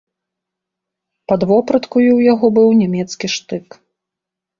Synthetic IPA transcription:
pɐd̪vɔpɾɐt̪kujiwjaɣɔbɨwnʲamʲɛt̪skʲiʂt̪ɨk

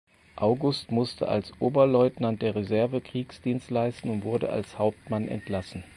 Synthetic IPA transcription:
ʔaʊɡʊstmʊstʰə̰a̰lsʔoːbɐlɔʏtnant̚d̥eːɐʁezɛɐvəkʁ̥iːksd̥iːnstlaɪstn̩ʊntv̥ʊɐɾə̰a̰lshaʊp̚tmanʔɛ̰ntlasn̩

